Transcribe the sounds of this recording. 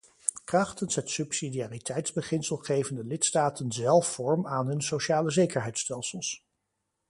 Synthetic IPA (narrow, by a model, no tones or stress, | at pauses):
krɑχtənsɦətsypsidiaːritʰɛjtz̥bəχɪnsəlˠχejvəndəlɪtstaːtənzɛlˠfːɔɹmaːnɦɵnsowʃaːləzejkəɹɦɛjtstɛlˠsəlˠs